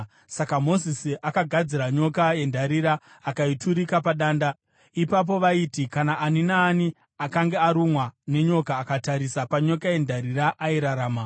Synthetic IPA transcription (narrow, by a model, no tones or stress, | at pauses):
sakamo̞zisiʔakaɡʱad͡ziɾaɲo̞kaje̞ndʱaɾiɾaː | kaitʰuɾikapaɗaːnda | ipap̬o̞ʋaitikanaʔaninaːni | akaŋɡe̞aɾumwane̞ɲo̞kaːkataɾisapaɲo̞kaje̞ndʱaɾiɾaʔaiɾaɾaːma